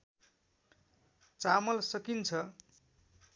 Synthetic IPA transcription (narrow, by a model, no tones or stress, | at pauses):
t͡samʌlsʌkint͡sʰʌ